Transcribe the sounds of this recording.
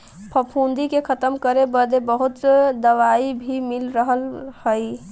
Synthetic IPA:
pʰəpʰũnd̪ikekʰət̪əmkəɾebəd̪ebəɦut̪d̪əʋaibʱimilɾəɦəlhəi

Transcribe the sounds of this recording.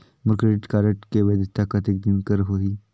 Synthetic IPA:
mʊɾkɾeʈkaːɾəʈkeʋəd̪əst̪ʰakat̪ek̚d̪inkəɾɦoɦiː

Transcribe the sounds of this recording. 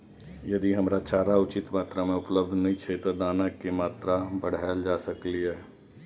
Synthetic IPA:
jɐd̪iɦɐmɾat͡ʃaːɾaʊt͡ʃɪt̪maːt̪ɾamẽʊpləb̚d̪ʱnɐɦĩt͡ʃʰet̪od̪aːnakemaːt̪ɾabəɽ̤aːld͡ʒaːsəkliɦɛː

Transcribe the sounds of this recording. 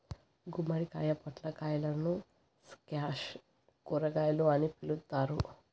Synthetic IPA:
ɡumɐɽikaːjɐpɐʈlɐkaːjɐlɐnu | skaːʃ | kuɾɐɡaːjɐluɐnipilut̪ːaːɾu

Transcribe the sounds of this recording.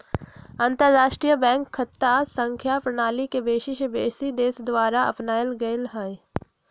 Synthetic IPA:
ə̃nt̪əɾːaːʃʈɾijəbɛ̃ːŋkʰːɐt̪ːasə̃ŋkʰjapɾɐɽ̃aːlikebeːʃɪʃəbeːsid̪eːsd̪ʋaːɾaɐ̰pnaːjəlɡɐelɦaːe

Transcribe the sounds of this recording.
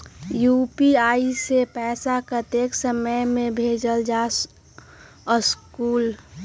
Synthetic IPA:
jupiaːisepɛːsakət̪eːksəməjmẽbʱeːd͡ʒəld͡ʒas | əskuːl

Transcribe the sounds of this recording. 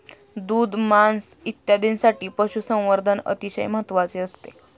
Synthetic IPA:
d̪uːd̪ʱmansit̪jad̪ʱinsaʈiːpəɕusə̃w̃ʋəɾd̪ʱənə̰t̪iɕə̰jməɦət̪ʋat͡seəst̪e

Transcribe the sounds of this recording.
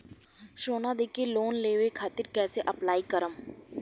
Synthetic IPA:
ʃoːnad̪eːkʰeloːnleːʋekʰaːt̪ɪɾkɛːseʔəplaːikəɾəm

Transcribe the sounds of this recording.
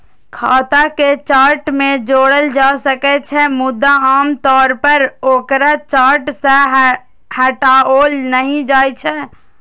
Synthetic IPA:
kʰaːt̪aket͡ʃaːɾʈmẽd͡ʒoːɽəld͡ʒaːsəkɛt͡ʃʰɛmʊd̪ːaaːmt̪ɔːɾpəɾoːkɾat͡ʃaːɾʈseɦ | hɛʈaoːlnəɦĩd͡ʒaːjt͡ʃʰɛː

